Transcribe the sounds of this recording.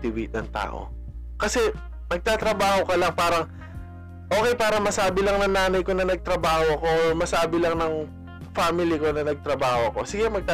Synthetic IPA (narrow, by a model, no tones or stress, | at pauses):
t̪ɪwit̪̚nɐŋt̪a̰ːʔo̰ | kɐsɛ | nɐɡ̚t̪at̪ɾɐbaːho̞kɐlɐŋpaːɾɐŋ | ʔo̞ːkɛjpaːɾɐmɐsaːbɪlɐŋnɐŋnaːnɐjko̞nɐnɐɡ̚t̪ɾɐbaːho̞ʔɐko̞ːmɐsaːbɪlɐŋnɐŋ | faːmɪlɪko̞nɐnɐɡ̚t̪ɾɐbaːho̞ɐko̞sɪɡɛmɐɡ̚t̪a